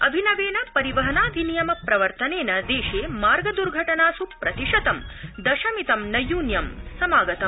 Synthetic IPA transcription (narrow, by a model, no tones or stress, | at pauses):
ɐbʱinɐʋeːnɐpɐɾiʋɐɦɐnaːd̪ʱinijɐmɐpɾɐʋɐɾt̪ɐneːnɐd̪eːʃeːmaːɾɡɐd̪uɾɡʱɐʈɐnaːsupɾɐt̪iʂɐt̪ɐmd̪ɐʃɐmit̪ɐmnɐjuːnjɐmsɐmaːɡɐt̪ɐm